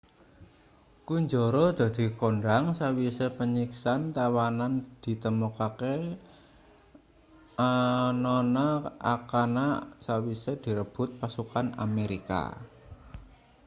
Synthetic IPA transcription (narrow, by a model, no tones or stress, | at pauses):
kuɲd͡ʒɔɾɔd̪̥a̤d̪̥i̤koɳɖaŋsawisepəɲiksant̪awanand̪̥i̤t̪əmukake | nɔnaa̰kanasawised̪̥i̤ɾəb̥ʊ̤t̪̚pasukana̰meɾika̰